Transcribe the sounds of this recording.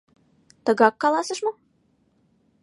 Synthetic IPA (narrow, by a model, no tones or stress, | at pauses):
t̪ɤ̆ɣɑkːɑlˠɑsə̆ʃmo